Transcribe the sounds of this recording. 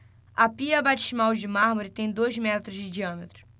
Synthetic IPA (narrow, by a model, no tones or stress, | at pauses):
ɐpiɐbat͡ʃizmawd͡ʒɪmaɦmoɾɪt̪ẽj̃d̪ojzmɛt̪ɾʊzd͡ʒɪd͡ʒiɐ̃met̪ɾʊ̥